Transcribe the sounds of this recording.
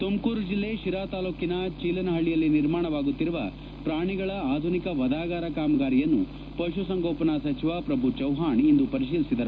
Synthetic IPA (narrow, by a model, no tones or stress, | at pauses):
t̪umkuːɾud͡ʒilːe̞ʃiɾaːt̪aːluːkinɐt͡ʃiːlɐnɐɦɐɭːijɐlːiniɾmaːɳɐʋaːɡut̪ːiɾuʋɐ̰ | pɾaːɳiɡɐɭɐaːd̪ʱunikɐʋɐd̪aːɡaːɾɐkaːmɐɡaːɾijɐnːu | pɐʃ̬usɐŋɡoːpɐnasɐt͡ʃiʋaːpɾɐbʱut͡ʃɐwɦaːɳind̪upɐɾiʃiːlisid̪ɐɾu